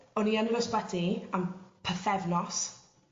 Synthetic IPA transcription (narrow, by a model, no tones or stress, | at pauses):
ɔnianəɾɔsbadʰiampʰəθɛvnɔs